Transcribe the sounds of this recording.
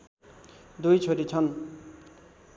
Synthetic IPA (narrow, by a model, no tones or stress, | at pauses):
d̪ujt͡sʰoɾit͡sʰʌn